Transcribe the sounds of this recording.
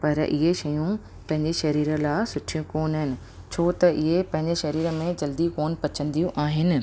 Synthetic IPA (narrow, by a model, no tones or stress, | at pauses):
pɐɾɪ̰ɦeʃɐjũ | pɐ̃ɦɪ̃ɲd͡ʑeʃɐɾiːɾə̆laːsʊʈʰijũkoːnɦɪnɪ̆ | t͡ɕʰoːt̪ɐʔɪɦepɐ̃ɦɪ̃ɲd͡ʑeʃɐɾiːɾə̆mẽd͡ʑɐld̪ikoːnpɐt͡ɕə̃nd̪ijũʔaːɦɪnɪ̆